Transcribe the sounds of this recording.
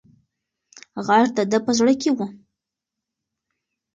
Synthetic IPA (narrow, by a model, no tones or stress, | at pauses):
ɣaɾd̪əd̪əpəzɽəkewu